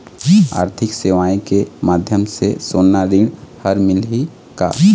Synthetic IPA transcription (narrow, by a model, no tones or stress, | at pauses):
a̰ːɾt̪ʰɪkseʋaːikemaːd̪ʱjəmsesoːnːaɾĩːɽhəɾmɪlɦi | ka̰